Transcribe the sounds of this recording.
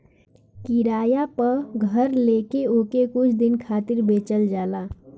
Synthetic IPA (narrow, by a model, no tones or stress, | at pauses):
kiɾaːjapəɾɡʱəɾleːkeokekʊt͡ʃʰd̪ɪnkʰaːt̪ɪɾbeːt͡ʃəld͡ʒaːlaː